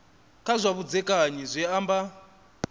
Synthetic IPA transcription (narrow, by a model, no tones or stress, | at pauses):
kʰʼazʷaβud͡zɛkʼaɲizʷɛamba